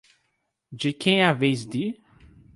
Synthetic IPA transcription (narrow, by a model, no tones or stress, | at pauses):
d͡ʒɪkʰẽj̃avejzd̪i